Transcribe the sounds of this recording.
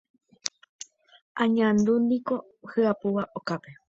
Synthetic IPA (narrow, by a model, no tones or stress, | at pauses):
ʔãɲãnd̪unĩko̞ | hɨapuʋaʔokape̞